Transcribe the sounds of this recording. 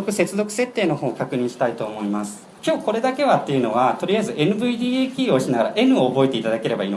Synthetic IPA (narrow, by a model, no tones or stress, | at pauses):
kɯ̟se̞t͡sɨzo̞kɯ̟se̞t̪ːeːno̞ho̞ːkakɯ̟ɲ̟ĩɰ̃ɕi̥t̪ait̪o̞ːmo̞imasɨ̥ | kʲo̞ːko̞ɾe̞d̪ake̞βat̪ːe̞jɯ̟no̞βat̪o̞ɾʲiaizɨe̞nɯ̟bɯ̟id̪ʲiːkʲiːo̞ɕinaɡaɾaʔe̞nɯ̟o̞ːbo̞et̪e̞it̪ad̪ake̞ɾe̞baiːno